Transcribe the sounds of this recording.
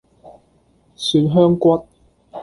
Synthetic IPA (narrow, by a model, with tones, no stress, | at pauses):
syː˧˥nɦœː˥ŋkwɐ˥t̚